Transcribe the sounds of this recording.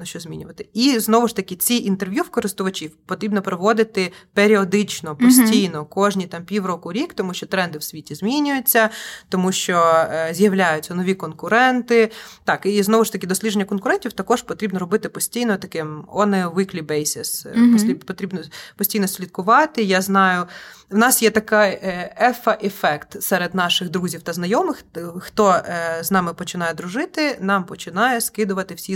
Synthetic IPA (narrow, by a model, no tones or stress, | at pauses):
nɐʃt͡ʃɔzʲmʲḭnʲʊʋɐt̪ɪiznɔʋʊʃt̪ɐkʲɪt͡sʲiʔint̪erʋʲjuwkɔɾɪst̪ʊʋɐt͡ʃʲiwpɔt̪ɾʲibnɔpɾɔʋɔd̪ɪt̪ɪpeɾʲiɔd̪ɪt͡ʃnɔpɔsʲtʲijnɔkɔʒnʲit̪ɑmpʲiwrɔkʊɾʲikt̪ɔmuʃt͡ʃɔt̪ɾɛnd̪ɪwsʲʋʲitʲizʲmʲinʲʊjʊt͡sʲːɐt̪ɔmuʃt͡ʃɔzʲjɐwlʲajʊtʲt͡sʲːɐnɔʋʲikɔnkʊɾɛnt̪ɪt̪ɑkiznɔʋʊʃt̪ɐkɪd̪ɔsʲlʲidʒenʲːɐkɔnkʊɾɛnʲtʲiwt̪ɐkɔʒpɔt̪ɾʲibnɔɾɔbɪt̪ɪpɔsʲtʲijnɔt̪ɐkɪmɔnɛʋɪklʲibɛjsʲɪspʲipɔt̪ɾʲibnɔpɔsʲtʲijnɔsʲlʲit̪̚kʊʋɑt̪ɪjaznɑjʊwnɑsjɛt̪ɐkajɛfɐʔefɛkt̪sɛɾed̪nɑʃɪɣd̪ɾuzʲiwt̪ɐznɐjɔmɪxxt̪ɔznɑmɪpɔt͡ʃɪnɑjɛd̪ɾʊʒɪt̪ɪnɑmpɔt͡ʃɪnɑjɛskɪd̪ʊʋɐt̪ɪwsʲi